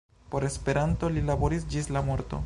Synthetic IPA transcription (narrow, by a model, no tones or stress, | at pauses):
po̞ɾe̞spe̞ɾanto̞lilabo̞ɾis̬d͡ʒislamo̞ɾto̞̰